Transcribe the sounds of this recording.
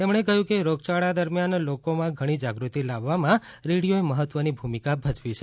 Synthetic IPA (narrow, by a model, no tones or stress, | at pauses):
t̪emɽ̃ekəɦjũkeɾoɡt͡ʃaɭad̪əɾmjanlokomãɡʱəɽ̃id͡ʒaɡɾut̪ilaʋːamãɾeɽijoeməɦət̪ʋənibʱumikabʱəd͡ʒʋit͡ʃʰe